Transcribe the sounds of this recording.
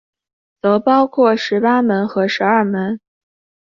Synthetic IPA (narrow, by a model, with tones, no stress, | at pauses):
t͡sɤ˧˥ʊpɑ˥ʊkʰwɔ˥˩ʂɻ̩˧˥pa˥mə˧˥nxɤ˧˥ʂɻ̩˧˥ɐ˞˥˩mə˧˥n